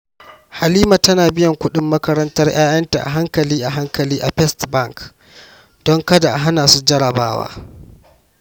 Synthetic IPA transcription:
ha˨liː˦ma˨tɐ˦naː˨bɪ˦jɐ˨ŋkʷʊ˦ɗɪ˦mːɐ˦kɐ˦ɾɐ˦ntɐ˦rj̰aː˦jɐ˦nta̰˨ʔa̰˨ɦa˦ŋkɐ˨liː˦ʔa˨ɦa˦ŋkɐ˨liː˦ʔa˨ɸɛ˦stbɐ˦˨ŋk | d̥ɔ˦ŋkɐ˦da˨ʔɦa˦naː˨su˦d͡ʒɐ˦ɽɐ˨baː˦wa̰ː˦

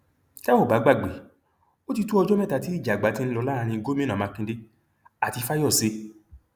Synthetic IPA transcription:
ta˦wo˦˨ba˨˦ɡ͡ba˦˨ɡ͡be˨˦ | o˦ti˧tu˦ɔ˧d͡ʒɔ˦mɛ̃˦˨ta˨˦ti˨˦i˦˨d͡ʒa˨ɡ͡ba˨˦tĩ˦lɔ˧la˦ɾa˧ɾ̃ĩ˧ɡo˦mĩ˦nã˨mã˧kĩ˧de˦ | a˨ti˧fa˦jɔ˦˨se˧˦

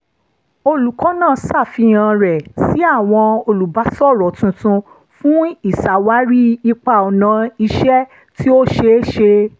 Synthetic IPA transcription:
o˧lu˨kɔ̃˨˦nãː˦˨sa˦˨fi˧j̃ã˨˧ɾɛ˨si˨˦a˦˨w̃ɔ̃˧o˧lu˨ba˨˦sɔ˦˨ɾɔ˨tũ˨˧tũ˧ | fũ˦i˦˨sa˨wa˦ɾi˦i˧k͡pa˧˨ɔ˨nã˨˦i˧ʃɛ˦ | ti˦o˦ʃe˧˦ʃe˧

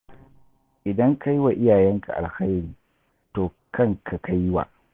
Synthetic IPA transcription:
ʔɪ˨dɐ˦ŋkʰa˦jwa˨ʔɪ˦jaː˨jɛ˦ŋka̰˨ʔa̰˨lxa˦jɾiː˨ | toː˨ | kɐ˦ŋkʰa˨ka˦jːwa̰˨

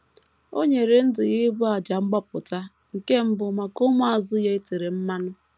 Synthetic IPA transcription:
o̰˦ɲe˨ɾe˨n̩˦dʊ˨ɣɪ˦ɡ͡bu˦a˨d͡ʒa˨ŋ͡m̩˦ɡ͡bɔ˦p̚ʊ˨ta˦ | ŋ̩˨ke˦m̩˦bʊ˨ma˨ko˦mʊ˦a˨zʊ˦je˦e˦te˨ɾe˨m̩˦ma˦nʊ˦

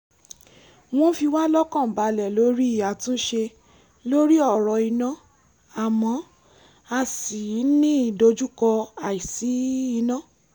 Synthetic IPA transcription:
w̃ɔ̃˦fi˧wa˦lɔ˦kã˦˨ba˨˧lɛ˨lo˨˦ɾi˦i˦˨ja˨tũ˦ʃe˧ | lo˦ɾi˦ɔ˦˨ɾɔ˨i˧nã˦˨ | a˨mɔ̃˧˦ | a˧si˨˦nĩ˦i˦˨do˧d͡ʒu˦kɔ˧a˨i˨si˨˦i˧nã˦˨

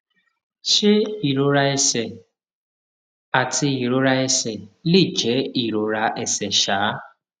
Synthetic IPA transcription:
ʃe˦i˨ɾo˨ɾa˦e˦sɛ˨ | a˨tʰɪ˦i˨ɾo˨ɾa˦e˦sɛ˨li˦˨d͡ʒɛ˨˦i˨ɾo˨ɾa˦˧ʔe˨sɛ˨ʃaː˨˦

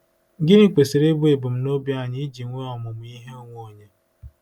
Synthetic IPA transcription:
ŋ̩˦ɡɪ˦ɾi˦k͡pe˨si˨ɾe˦bʊ˦e˨bʊ˨m̩˦no˦bja˦˨ɲɪ˦d͡ʒi˨ŋʷe˦ɔ˨mʊ˨m̩˨i˦ɦe˦o˦ŋʷo˦˨ɲe˦

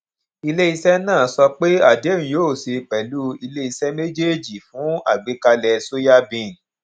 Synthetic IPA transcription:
i˧le˦i˧sɛ˦nãː˦˨˦sɔ˧k͡pe˦a˦˨de˨˦˨ĩ˨joː˦˨se˧k͡pɛ˨lu˦i˧le˦i˧sɛ˦me˦d͡ʒe˦˨d͡ʒi˨fũ˨˦a̰˦˨ɡ͡be˨˦ka˧lɛ˧so˦ja˦bĩ˨n̩˨

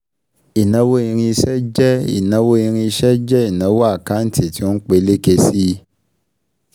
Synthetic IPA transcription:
i˨nã˧˦wo˦ĩ˧ɾ̃ĩ˧ʃɛ˦d͡ʒɛ˦ḭ˨nã˧wo˦ĩ˧ɾ̃ĩ˧ʃɛ˦d͡ʒɛ˦i˨nã˨˦wo˦a˦˨ka˦n̩˦ti˨ti˧˦o˦k͡pe˧˦le˦ke˧si˦

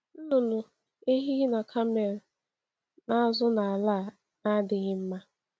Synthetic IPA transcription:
n̩˦nʊ˨nʊ˨ | e˦ɦi˦ɣi˦na˨kʰa˦me˨ɾ̩˨ | na˦a˦zʊ˦na˨a˨la˦˨ | na˦dɪ˨ɣɪ˦m̩˦ma˦

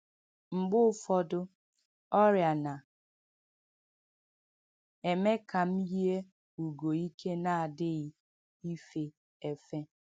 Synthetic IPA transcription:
ŋ͡m̩˨ɡ͡bʊ˦fɔ˦dʊ˦ | ɔ˦ɾja˨na˨ | e˨me˦ka˨m̩˦ji˦e˦ | u˨ɡo˨i˦kʰe˦na˨a˨dɪ˦ɣɪ˦ | i˦fe˦ | e˨fe˦

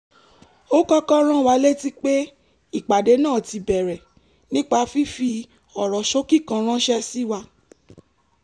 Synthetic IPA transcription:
o˦kɔ˦kɔ˦ɾ̃ã˦˨wa˨˧˦le˦ti˦k͡pe˦ | i˦˨k͡pa˨de˨˦nãː˦˨ti˧bɛ˨ɾɛ˨ | nĩ˦k͡pa˧fi˦fi˧ | ɔ˨ɾɔ˨ʃo˦ki˦˨kã˧ɾ̃ã˦ʃɛ˧si˦wa˧

